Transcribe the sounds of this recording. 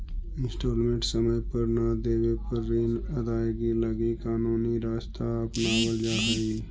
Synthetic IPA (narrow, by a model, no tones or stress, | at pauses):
ɪ̃nsʈoːlmẽɳʈsəməjpəɾnad̪eːwepəɾːinɐd̪aːeɡiləɡikaːnuːniɾaːst̪ʰaɐpnawəld͡ʒaɦəi